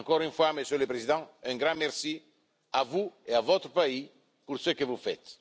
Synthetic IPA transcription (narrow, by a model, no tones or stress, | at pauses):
ŋkɔɾynfwaməsjøləpɾezid̪ɑ̃ɛ̃ŋɡɾɑ̃mɛʁsi | avueavɔt̪ɾəpai | puɾsøkəvufɛ̰t̪